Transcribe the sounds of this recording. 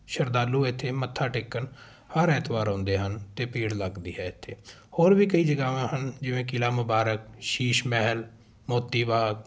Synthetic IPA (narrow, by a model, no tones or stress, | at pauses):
ʃəɾd̪aːlːuːɪt̪ʰːeːmət̪ʰːaːʈeːkːən | həɾɛːt̪ʰbaːɾõːnd̪eːɦənt̪eːpiːɽləɡd̪ḭːɦɛːɪt̪ʰːeː | hoːɾʋiːkəiːd͡ʒəɡaːʋãːɦənd͡ʒɪʋẽːkɪlaːmʊbaːɾək̚ʃiːʃmɛɦəl | moːt̪ːiːbaːɡ